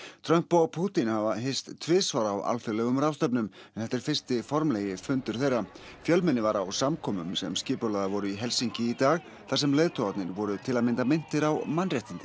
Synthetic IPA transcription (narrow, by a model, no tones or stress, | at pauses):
t̪ʰɾœm̥pɔpʰuːt̪inhavaɦejst̪ʰvɪːsvaːɾaːwa̰lfɛɾlɛɣʏmrawst̪œp̬nʏm | ɛnθɛht̪ːɛɾ̥fɪr̥st̪ɪfɔɾmlɛjɪfʏnt̪ʏɾ̥θejrːa | fjœlmɛnːɪvaɾawsamkʰɔːmʏmsɛ̰mscɪːpʏlaðavɔɾʏiɦɛlsiɲcɪit̪aːɣ | θas̬ɛmleːjðt̪ʰɔat̪nɪɾvɔɾʏt̪ʰɪlaðmɪnt̪amɪn̥t̪ɪɾawmanrjɛht̪int̪ɪ